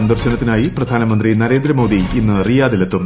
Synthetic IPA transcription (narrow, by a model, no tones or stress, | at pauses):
ɐnd̪ɐrɕɐnɐt̪ːinaːjiprɐd̪ʱaːnɐmɐnd̪rinɐɾe̞ːnd̪ɾɐmo̞ːd̪iinːɨɐrijaːd̪ilet̪ːum